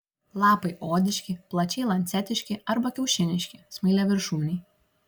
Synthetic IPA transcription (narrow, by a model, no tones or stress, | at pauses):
lˠɑːpɐɪʔoːd̪ʲɪʃʲkʲɪplˠɐt͡ʃʲɛɪlˠɐnʲt̪sʲɛt̪ʲɪʃʲkʲɪɐɾbɐkʲɛʊʃʲɪnʲɪʃʲkʲɪsmɐɪlʲɛʋʲɪɾʃuːnʲɛɪ